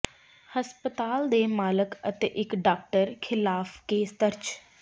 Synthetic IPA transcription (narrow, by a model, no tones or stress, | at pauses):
həspət̪aːld̪eːmaːləkət̪eʔɪkɖaːk̚ʈəɾkʰɪlaːfkeːst̪əɾt͡ʃ